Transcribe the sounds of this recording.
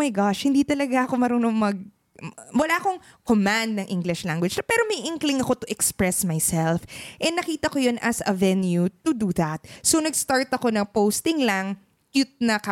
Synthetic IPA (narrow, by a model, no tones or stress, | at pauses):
mɐjɡaʃhɪnd̪iːt̪ɐlɐɡaʔɐko̞mɐɾonoŋmɐɡ̚ | wɐlako̞ŋ | komãnd̪̚nɐŋʔɪŋɡlɪʃlaŋɡwɪd͡ʒ̪ɐpɛːɾomɐjʔɪŋklɪŋɐko̞t̪ʊʔɛkspɹɛsmajsɛlfʔɛnːɐkiːt̪ɐkojonʔɐsɐvɛnjut̪ud̪uðɐt̪̚sonɐɡst̪aɹt̪ɐko̞nɐŋpowst̪ɪŋlɐŋ | kjut̪̚nɐka